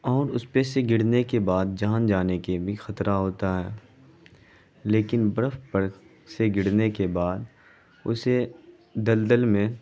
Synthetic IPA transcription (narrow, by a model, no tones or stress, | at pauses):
ɔːɾʊspeseɡɪɽnekebaːd̪̚d͡ʒaːnd͡ʒaːnekebʱixɐt̪ɾʔaɦoːt̪aɦɛː | leːkɪnbəɾəfpəɾ | seɡɪɽnekebaːd̪ | ʊ̰se | d̪ɐld̪əlmẽ